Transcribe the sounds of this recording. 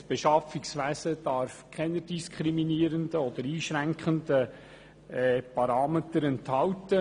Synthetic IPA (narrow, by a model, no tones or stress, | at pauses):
b̥ɛʃɑfiksʋæːsəd̥ɑɾfkʰɛnəd̥iskʰχɾiminiːɾənd̪əɔd̪əɾiːʃɾæŋkχəndə | ɛpɑɾɑːmetəɾɛnthɑwtə